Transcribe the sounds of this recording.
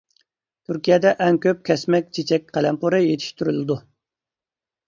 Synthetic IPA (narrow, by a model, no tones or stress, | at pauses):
t̪ʰyɾkʲijɛd̪ɛʔɛŋkʲøp̚kʲʰɛsmɛkʲt͡ʃʰet͡ʃʰɛk̚ʲqʰɛlɛmpʰuɾɨjet̪ʰɪ̥ʃt̪yɾylɪd̪u